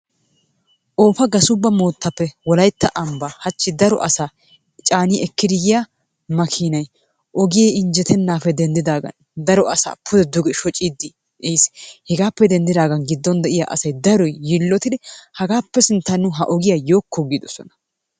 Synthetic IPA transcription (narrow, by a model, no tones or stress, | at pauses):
ʔo̞ːfɐɡɐsʊbːɐmo̞ːt̪ːɐpːɛwɔlɐjt̪ːɐʔɐmbahɐt͡ʃːɪd̪ɐɾɔ̰ʔɐsaː | t͡ʃʼaːniʔɛkːɪd̪ɪjɪja | mɐkʰiːnɐj | ʔɔɡɪjeːɪnd͡ʒɛt̪ʰɛnːaːfɛd̪ɛnd̪ɪd̪aːɡɐ̰n | d̪ɐɾɔʔɐsa̰ːpʰʊd̪ɛd̪ʊɡɛʃɔt͡ʃʼid̪ːɪ | ʔejshɛɡaːpːɛd̪ɛnd̪ɪd̪aːɡɐnɡɪd̪ːɔnd̪ɛʔɪja̰ːʔɐ̰sɐjd̪ɐɾɔjːɪlːɔt̪ɪd̪ɛhɐɡaːpːɛsɪnt̪ːɐnːʊɦɐʔɔɡɪjajo̞ːkːɔɡid̪ɔsɔnɐ̥